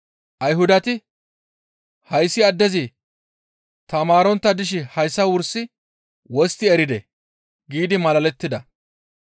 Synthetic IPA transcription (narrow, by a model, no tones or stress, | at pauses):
ʔɐjɦʊd̪ɐt̪ɪ | hɐjsːɪɐd̪ːɛzɪ | t̪ɐmaːɾɔnt̪ːɐd̪ɪʃ̬ɪhɐjsːɐwʊɾsːɪ | wɔst̪ːɪɛɾɪd̪ɛ | ɡiːd̪ɪmɐlɐlɛt̪ːɪd̪ɐ